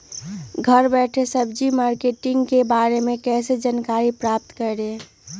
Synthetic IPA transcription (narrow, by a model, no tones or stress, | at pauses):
ɡʱəɾbɛʈʰesəbd͡ʒimaːɾkeʈɪŋɡkebaːɾemẽkɛːsed͡ʒankaːɾipɾap̚t̪kəɾe